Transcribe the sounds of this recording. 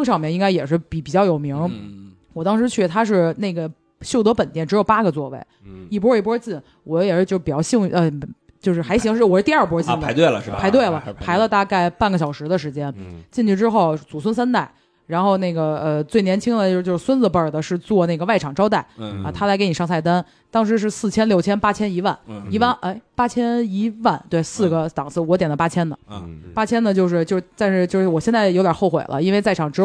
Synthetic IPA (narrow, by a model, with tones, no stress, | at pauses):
ŋʂ̬ɑ˥˩ʊmjɛ˧˥ŋi˥ŋka˥ɪjɛ˨˩ʂɻ̩˥˩pi˨˧˥pi˨˩t͡ɕjɑ˥˩ʊjo˨˩ʊmi˧˥ŋ | wɔ˨˩t̪ɑ˥ŋʂɻ̩˧˥t͡ɕʰy˥˩t̪ʰa˥ʂ̬ɻ̩˥˧ne˥˩ɪɡə˩ | ɕjo˥˩ʊt̪ɤ˧˥pə˨˩nt̪jɛ˥˩nʈ͡ʂɻ̩˧˥jo˨˩ʊpa˥ɡə˨t͡swɔ˥˧wḛ˥˩ɪi˥˩p̬wɔ˥˩p̬wɔ˥t͡ɕi˥˩n | wɔ˧˥jɛ˨˩ʂɻ̩˥˧t͡ɕj̩˥˧˥pt͡ɕjɑ˥˧ɕi˥˧ŋ˥˩ə˧˩ | t͡ɕjo˥˧ʊʂɻ̩˥˩xa˧˥ɪɕ̬i˧˥˧wɔ˨˥ɻ̩˥˧t̪i˥˧ɐ˞˥˩p̬wɔ˥t͡ɕi˧˨˩nd̪ə˨˧ɪt̪we˥˩ɪləɻ̩˥˩pʰa˧˥ɪt̪we˥˩ɪlə˩pʰa˧˥ɪlə˧t̪a˥˧ka˥˩ɪpa˥˩nɡə˩ɕjɑ˨˩ʊʂɻ̩˧˥d̪ə˧ʂɻ̩˧˥t͡ɕjɛ˥nt͡ɕi˥˧nt͡ɕy˥˩ʈ͡ʂɻ̩˥xo˥˩ʊt͡su˨˩s̬wə˥ns̬a˥nt̪a˥˩ɪ | ɻa˧˥nxo˥˧ʊne˥˩ɪɡə˩ə˧t͡swe˥˩ɪnjɛ˧˥nt͡ɕʰi˥ŋd̪ə˨t͡ɕjo˥˧t͡ɕjo˥˧ʊʂ̩˥swə˥nd͡z̩˧pə˞˥˩d̪ə˩ʂɻ̩˥˧t͡swɔ˥˧ne˥˩ɪɡə˩wa˥˩ɪʈ͡ʂʰɑ˨˩ŋʈ͡ʂɑ˥ʊt̪a˥˩ɪɐ˧t̪ʰa˥la˧˥ɪke˧˥ni˨˩ʂɑ˥ŋsʰa˥˩ɪt̪a˥n | t̪ɑ˥ŋʂ̬ɻ̩˧˥ʂ̬ɻ̩˥˧sɹ̩˥˩t͡ɕʰjɛ˥nljʊt͡ɕʰjɛ˥npa˥t͡ɕʰjɛ˥ni˧˥wa̰˥˩ni˧˥wa˥˩nʔe˥˩ɪpa˥t͡ɕʰjɛ˥ni˧˥wa˥˩nt̪we˥˩ɪsɹ̩˥˩ɡə˩t̪ɑ˨˩ŋt͡sʰɹ̩˥˩wɔ˧˥t̪jɛ˨˩nd̪ə˦pa˥t͡ɕʰjɛ˥nd̪ə˨pa˥t͡ɕʰjɛ˥nd̪ə˨t͡ɕjo˥˧ʊʂɻ̩˥˧t͡ɕjo˥˧ʊʂt̪a˥˧nʂɻ̩˥˧t͡ɕjo˥˧ʊʂɻ̩˥˩wɔ˨˩ɕjɛ˥˧nt͡sa˥˩ɪjo˧˥ʊt̪ʲjɑ˨˩xo˥˩ʊxwḛ˨˩lʔə̰˦i˥nwe˥˧ɪt͡sa˥˩ɪɑ˨˩ŋʈ͡ʂɻ̩˧˥